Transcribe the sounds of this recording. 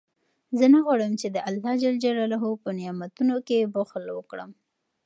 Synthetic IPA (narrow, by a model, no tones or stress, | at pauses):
zənaɣwaɽəmt͡ʃed̪əʔalhɑd͡ʒald͡ʒaɾalaɦopənɪjɑmat̪unokebʊxlwəkɽə̰m